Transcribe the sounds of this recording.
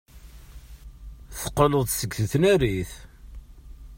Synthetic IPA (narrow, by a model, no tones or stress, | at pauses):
θə̥qːəlʊðˤsəɡθəθnæɾiθ